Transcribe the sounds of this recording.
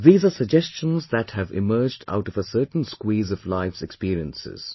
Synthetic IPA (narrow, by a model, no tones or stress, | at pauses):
ðiːzəːsəɡ̚d͡ʒɛst͡ʃə̃nzðæthævɪ̰mɜːd͡ʒda̰ʊʈɔvəsɜːtn̩skwiːzɔvlaɪfsɛkspiːɾiə̰̃nsɪ̰z̥